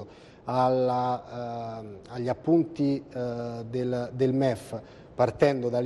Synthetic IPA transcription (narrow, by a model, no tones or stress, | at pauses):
ala | aʎːapːunt̪i | d̪eld̪elmɛf | part̪ɛnd̪od̪al